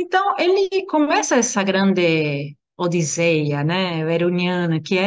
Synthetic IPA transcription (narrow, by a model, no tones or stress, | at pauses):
ẽnt̪ɐ̃w̃elɪkomɛsɐɛsɐɡɾɐ̃nd̪ɪ | od̪izejɐnɛβeɾuɲjɐ̃nɐkɪɛ